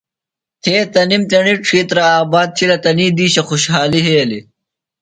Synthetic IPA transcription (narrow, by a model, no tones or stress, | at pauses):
t̪ʰeːt̪ɐnimt̪eɳiʈ͡ʂʰiːt̪ɾɐaːbaːd̪̚t̪ʰilɐt̪ɐniːd̪iːɕɐxuɕɦaːliɦeːli